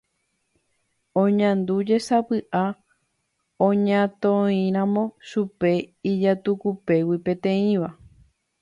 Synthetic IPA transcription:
õɲãnd̪ud͡ʒe̞sapɨʔa | õɲãt̪õĩɾ̃ãmõ̞ʃupe̞id͡ʒat̪ukupe̞wipẽ̞t̪ẽ̞ĩʋa

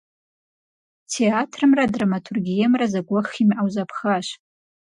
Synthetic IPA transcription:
tʰeatʰrɨmradramatʰurɡʲijamrazaɡʷaχimʔawzapʰχaʃ

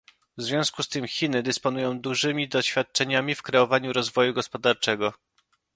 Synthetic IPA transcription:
vzvʲjɔ̃w̃skust̪ɘmxʲinɘd̪ɘspɔnujɔ̃w̃d̪uʐɘmʲid̪ɔɕfʲjat̪̚t͡ʂɛɲamʲifkɾɛɔvaɲuɾɔzvɔjuɡɔspɔd̪aɾt͡ʂɛɡɔ

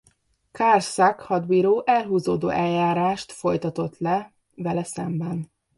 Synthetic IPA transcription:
kaːrsakhɒd̪biɾoːʔɛlɦuːzoːd̪o̰ːʔɛljaːɾaːʃt̪fo̞jt̪ɒt̪o̞t̪lɛ | vɛlɛsɛmbɛn

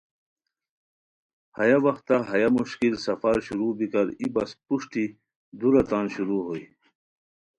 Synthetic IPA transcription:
hɐjawɐxt̪ːaɦɐjamuɕkilsɐfaɾɕuɾubikɐɾibɐspuʂʈi | d̪uɾɐt̪aːnɕuɾuɦoi

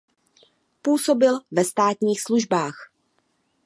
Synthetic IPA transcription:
puːso̞bɪlvɛst̪aːt̪ɲiːxsluʒbaːx

